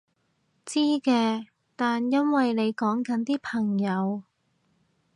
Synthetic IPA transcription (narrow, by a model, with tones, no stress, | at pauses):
t͡siː˥kɛː˧ | t̪aː˨njɐ˥nwɐ˨jne˨˧jkɔː˨˥ŋkɐ˨˥nt̪iː˥pʰɐ˨˩ŋjɐ˨˧w